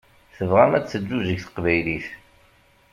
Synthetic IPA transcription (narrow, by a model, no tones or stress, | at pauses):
θəvʁæmæt͡sːəd͡ʒːuzəʝθə̥qvæjliθ